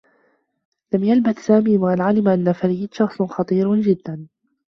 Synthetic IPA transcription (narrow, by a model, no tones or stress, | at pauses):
lamjalbaθsaːmiːwalʕalɪmʔanːafaliːd̪ʃɑxsˤxɑt̪ˤiːɾd͡ʒɪd̪ːan